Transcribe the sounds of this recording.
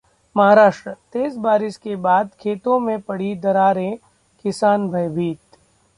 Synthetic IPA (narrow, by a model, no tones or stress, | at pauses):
mɐɦaːɾaːʃʈɾət̪eːzbaːɾɪʃkebaːd̪kʰeːt̪õmẽpɐɽ̤id̪ɐɾaːɾẽ | kɪsaːnbʱɐjbʱiːt̪